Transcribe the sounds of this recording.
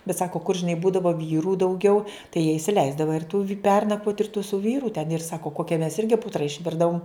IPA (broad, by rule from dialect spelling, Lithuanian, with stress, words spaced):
bʲɛt ˈsɑːkoː kʊr ʒʲɪˈnɐɪ ˈbuːdɐʋoː ˈʋʲiːrʊ dɐʊˈɡʲɛʊ tɐɪ jiɛ ɪsʲɪˈlʲɛɪzdɐʋɐ ɪr tʊ ʋʲɪ ˈpʲɛrnɐkʋoːt ɪr tʊ sʊ ˈʋʲiːrʊ tʲɛn ɪr ˈsɑːkoː ˈkoːkʲɛ mʲɛs ˈɪrʲɡʲɪ ˈpʊtrɐ ɪʃʲˈʋʲɪrdɐʋʊm